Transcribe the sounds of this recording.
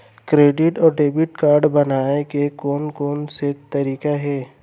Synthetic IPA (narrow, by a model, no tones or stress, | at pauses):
kɾeːɖɪʈɔːɾɖeːbɪʈkaːɾɖbɐnaːekekoːnkoːnset̪ɐɾiːkaɦɛː